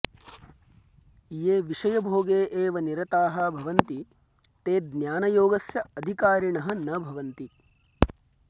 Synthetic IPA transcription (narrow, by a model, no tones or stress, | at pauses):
jeːʋiʂɐjɐbʱoːɡeːʔeːʋɐniɾɐt̪aːɦɐbʱɐʋɐnt̪i | t̪eːd̪njaːnɐjoːɡɐsjɐɐd̪ʱikaːɾiɳɐɦɐ̆nɐbʱɐʋɐnt̪i